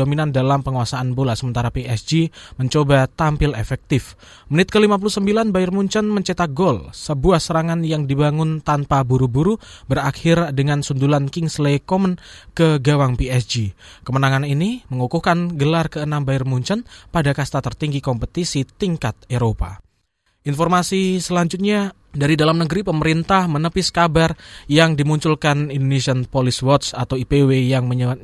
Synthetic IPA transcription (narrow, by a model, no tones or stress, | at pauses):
ominandalampəŋuasaʔːnbolasəmənt̪aɾapiɛsd͡ʒiməɲt͡ʃobat̪ampɪlefɛk̚t̪ɪf | mənɪt̪̚kəlimap̬ulusəmbilanbaɪrmuɲt͡ʃənməɲt͡ʃet̪aɡolsəbuahsəɾaŋanjaŋdibaŋʊnt̪anpabuɾubuɾu | bərakʰɪrdəŋansundulankɪŋslekɔmənkəɡawaŋpiɛsd͡ʒikəmənaŋaniniməŋukuhkanɡəlarkəənambaɪrmuɲt͡ʃənpadakast̪at̪ərt̪iŋɡikɔmpət̪isit̪iŋkat̪̚eɾopa̰ | ʔinfɔrmasisəlaɲd͡ʒʊt̪̚ɲa | daɾidalamnəɡəɾipəməɾint̪ahmənəpɪskabarjaŋdimuɲt͡ʃulkanindonesiənpoliswɔt̪sat̪awipewejaŋməɲə